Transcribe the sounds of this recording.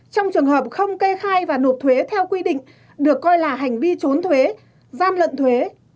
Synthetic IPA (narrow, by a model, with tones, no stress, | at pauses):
t͡ɕɔ˧wŋ͡mt͡ɕɨ˨˩əŋɦəː˨˩p̚xə˧wŋ͡mke˧xaː˧jvaː˨˩no˨˩p̚t̪ʰwe˨˦t̪ʰɛ˧wkwi˧ɗḭ̈˧˨ŋ̟ | ɗɨ˨˩əkːɔ˧jlaː˨˩ɦa˨˩jŋ̟vi˧t͡ɕo˨˦nt̪ʰwe˨˦ | zaː˧mlə̰˧˨nt̪ʰwe˨˦